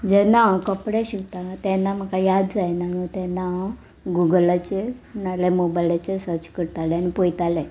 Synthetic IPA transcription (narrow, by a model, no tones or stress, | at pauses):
d͡ʑɛnaʋkəpɽɛɕikt̪at̪ɛnːam̤əkajad̪d͡zajnanət̪ɛnːaʋ | ɡuɡlat͡ɕenalɛmobajlat͡ɕesət͡ɕkəɽt̪alɛanipojt̪alɛ̃